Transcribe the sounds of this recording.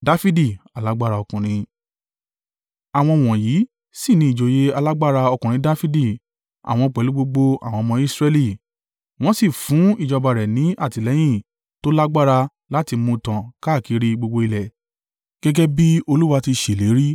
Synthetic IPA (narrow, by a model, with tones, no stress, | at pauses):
da˦fi˦di˦˨a˨la˨˦ɡ͡ba˦˨ɾa˧ɔ˧kũ˨ɾ̃ĩ˧ | a˨w̃ɔ̃˧w̃ɔ̃˨jiː˨˦ | si˦˨nĩ˨˦i˨d͡ʒo˨je˦a˧la˦ɡ͡ba˦˨ɾa˧ɔ˧kũ˨ɾĩ˨˦da˦fi˦di˦˨ | a̰˨w̃ɔ̃˧k͡pɛ˨lu˨˦ɡ͡bo˧ɡ͡bo˧a̰˨w̃ɔ̃˧mɔ̃˧˦i˦sɾɛ˧li˦˨ | w̃ɔ̃˦si˦˨fũ˨˦i˦˨d͡ʒɔ˧ba˨ɾɛ˨nĩ˨˦ʔa˦˨ti˨lɛ˨˦j̃ĩ˦˨ | to˦la˦ɡ͡ba˦˨ɾa˧ | la˦ti˧mũ˧tã˨ka˦˨ki˨˦ɾi˦ɡ͡bo˧ɡ͡bo˧i˧lɛ˨ | ɡ̥ɛ˦ɡɛ˦bi˦o˧lu˦wa˧ti˧ʃe˨le˨˦ɾi˦